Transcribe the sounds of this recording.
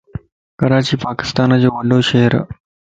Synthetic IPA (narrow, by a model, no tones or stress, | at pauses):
kɐɾaːt͡ɕiːpaːkɪ̥st̪aːnd͡ʑoːʋɐɖoʃɐɦəɾ